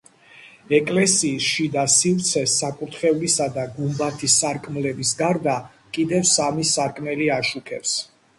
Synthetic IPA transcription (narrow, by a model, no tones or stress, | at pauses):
ɛkʼlɛsiːsʃid̪asivt̪sʰɛsːakʼut̪ʰχɛulisad̪aɡumbat̪ʰisaɾkʼmlɛbisɡaɾd̪a | kʼid̪ɛvsamisaɾkʼmɛliaʃukʰɛps